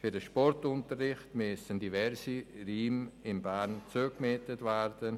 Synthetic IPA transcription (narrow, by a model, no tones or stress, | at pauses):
fyɾdəʃpɔrtʊntərːɪχtmesəndivɛɾsiriːmɪmbaːɾnt͡suːkmetətvɛɾdən